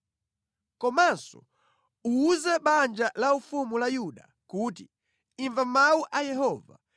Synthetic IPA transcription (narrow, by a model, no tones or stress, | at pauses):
kɔmansɔ̰ | uːzɛɓand͡ʒalaufumulajuɗa̰ | kuːti | iɱvamauʔajɛɦɔːva̰